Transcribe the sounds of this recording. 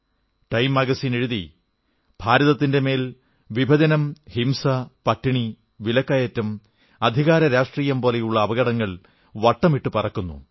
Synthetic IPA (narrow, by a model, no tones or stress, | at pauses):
ʈɐjmɐɡɐsine̞ɻuði | bʱaːɾɐðɐt̪ːinde̞me̞ːl | ʋibʱɐd͡ʑɐnɐmhimsɐpɐʈːiɳi | ʋilɐkːɐjɐtːɐm | ɐd̪ʱiɣaːɾɐɾaːʂʈriːjɐmpoːlejuɭːɐːʋɐɣɐɽɐŋːɐɭ | ʋɐʈːɐmiʈːɨpɐrɐkːunːṵ